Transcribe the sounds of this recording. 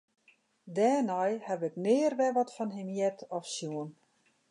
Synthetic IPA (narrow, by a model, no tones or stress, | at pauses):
dɛːnɔjhɛbɪknɪːrʋɛʋɔtfɔnɦɪmjɛtɔfsjuən